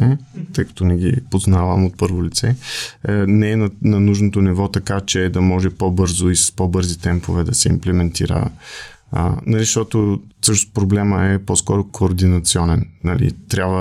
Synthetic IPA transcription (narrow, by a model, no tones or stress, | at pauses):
ɛt̪ɤjkɐ̥t̪ɔnɛɡʲḭpoznavəmot̪̚pɤɾvolit̪sɛ | nɛɛnɐnɐnuʒnot̪onivɔt̪ɐkat͡ʃɛd̪ɐmɔʒɛpobɤɾzoisɐ̥spobɤɾzit̪ɛmpovɛd̪ɐsɛḭmplɛmɛnt̪iɾə̰ | nɐliʃt̪ɔt̪osɤʃnospɾoblɛməɛpɔskɔɾokʰoːɾd̪inɐt̪siɔnɛnnɐlḭt̪ɾʲabvə